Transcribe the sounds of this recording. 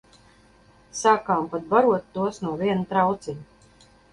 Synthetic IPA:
saːkaːmpat̪̚baɾuɔt̪ːuɔsnuɔviɛnut̪ɾawt̪siɲ

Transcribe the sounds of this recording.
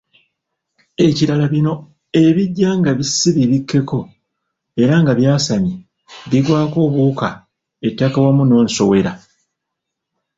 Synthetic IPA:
e̞ciɾalaβino̞ | e̞βiɟːaŋɡaβisiβiβikːe̞ko̞ | e̞ɾaŋɡaβjaːsaɲi | βiɡwaːko̞ːβuka | etːakawamuno̞ːnso̞we̞ɾa

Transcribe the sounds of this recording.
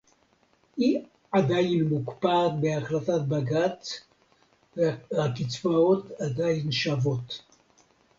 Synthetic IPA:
i | adajinmukpatbeaχlatat̚baɡat̪ | akit͡svao̞t̪adajinʃavo̞t

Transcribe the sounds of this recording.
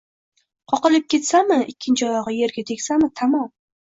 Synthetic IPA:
qʰɒqɨlˠɪp̚kʲe̞t̪samɪɪkʲːɪnt͡ʃʰɒjɑʁɨje̞ɾɡʲat̪ʰekʲsamɪt̪ʰamɒm

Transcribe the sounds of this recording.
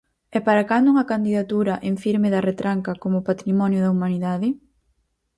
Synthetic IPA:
ɛpaɾakand̪ʊuŋɐkand̪iðat̪uɾɐʔeɱfiɾmɪðɐret̪ɾaŋkɐkomʊpat̪ɾimɔnjʊðɐumaniðaðɪ

